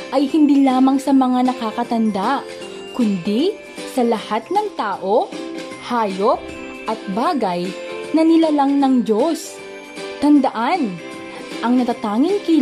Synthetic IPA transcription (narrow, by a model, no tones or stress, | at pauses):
ʔɐjhɪnd̪iːlaːmɐŋsɐmɐŋanɐkaːkɐt̪ɐnd̪aʔ | kʊnd̪i | sɐlɐhat̪nɐŋt̪aːʔo̞ | haːjo̞p̚ | ʔɐt̪̚baːɡɐjnɐnɪlalɐŋnɐŋd͡ʒos | t̪ɐnd̪ɐʔan | ʔɐŋnɐt̪at̪aːŋɪŋki